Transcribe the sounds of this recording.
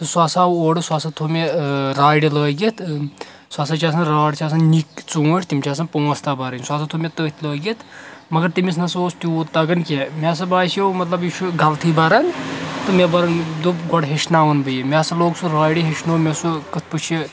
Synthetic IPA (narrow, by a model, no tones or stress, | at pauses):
t̪ɨsuɐːsaːwoːɖɨsuaːsɐt̪ʰumʲeɾaːjɽiləːɡʲit̪ʰ | saːsɐt͡ʃʰʲaːs̬ɐnɾaːɽt͡ʃʰʲaːs̬ɐnnikt͡sũːʈʰʲt̪imt͡ʃʰaːs̬ɐnpuːɐst̪aːbɐɾɐnʲsuaːsɐt̪ʰumʲet̪əːt̪ʰʲləːɡʲit̪ʰmɐɡɐɾt̪imisnɐsoːst̪ʲuut̪ɐɡɐnkʲemʲaːs̬ɐbaːsewmɐt̪lɐbjiʃʰuɡɐlt̪ʰibɐɾɐnt̪ɨmʲebɐɾɐnd̪uɡɔɽɦeʃnaːʋɐnbɨjimʲaːsɐloːɡsuɾaːjɽiɦeʃnoːmʲesukɐt̪̚ʰpɨt͡ʃʰi